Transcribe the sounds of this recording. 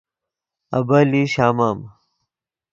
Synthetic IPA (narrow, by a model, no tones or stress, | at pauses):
ɐ̰bɐliɕaːmaːm